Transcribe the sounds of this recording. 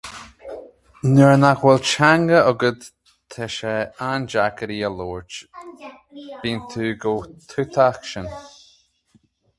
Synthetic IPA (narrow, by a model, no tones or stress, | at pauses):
nɛɹnaxwɛlt͡ʃaŋɡəɔɡəd̪ | t̪ʰɛʃɛand͡ʒakəɾiːəloːɹt͡ʃ | b̥iːnt̪ʰuːɡowt̪ʰut̪ʰaxʃən